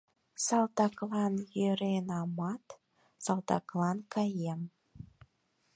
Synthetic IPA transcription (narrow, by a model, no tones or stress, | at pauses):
sɑlt̪ɑklɑnjøɾenɑmɑt̪ | sɑlt̪ɑklɑnkɑjem